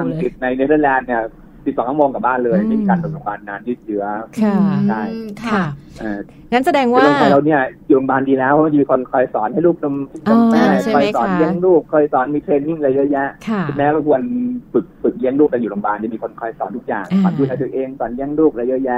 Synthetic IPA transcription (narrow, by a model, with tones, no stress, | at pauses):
a˧ŋsi˨˩t̪̚na˧jne˦˥t̪ʰɤː˧˩lɛː˧nːi˥˩ɐ | si˨˩sɔː˨˩˦ŋʰkʰːmoː˧ŋka˨˩baː˥˩nlɤː˧ja˨˩mː˥˧˩mi˧kaː˧no˨˩t̚loː˧mbaː˧nːaː˨˧˥njɯː˥˩t̪̚t͡ɕɯ˦˥ɐ˩ | dʰa˥˩jʰ | ʔaː˧˩ | ŋa˦˥nsa˧dɛː˧ŋwaː˧lo˧ŋpa˧jɾa˧wni˥˩ɐjuː˨˩lo˧mbaː˧ndiː˧lɛː˦˥wʰwa˥˩t͡ɕmiː˧kʰo˧nkʰɔ˧jsɔː˩˦nha˥˩jluː˥˩k̚lo˧mlo˧a˧˩kʰɔ˧jsɔ̰ː˩˦nji˥ə˨ŋluː˥˩kʰːɔː˧jsɔː˩˦nmiː˧t̪ʰɾeː˧nːi˥˩ŋɾa˧ja˦˥jɛ˦˥ʔkʰkʰi˨˩mɛː˦˥ɾa˧wkʰu˧ənfɯ˨˩k̚fɯ˨˩k̚ji˦˥˩əŋluː˥˩k̪̚aː˨˧˩juː˨lo˧mbaː˧nt͡ɕa˨˩miː˧kʰo˧nkʰɔ˧jsɔː˩˦nt̪ʰu˦˥k̚ja̰ː˨˩ŋsɔ̰ː˨˩˦nʰuː˧˩laː˦˥t̪ʰi˨˩ʔeː˧ŋsɔː˨˩˦njɛ˦˥˩ŋluː˥˩k̚ɾa˧ja˦˥jɛ˦˥ʔ